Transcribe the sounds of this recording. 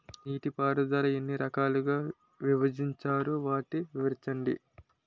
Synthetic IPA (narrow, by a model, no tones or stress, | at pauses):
niːʈipaːɾud̪ɐɾɐenːiɾɐkaːluɡaː | ʋiʋɐd͡ʒiɲt͡ʃaːɾuʋaːʈiʋiʋɐɾt͡ʃɐɳɖḭ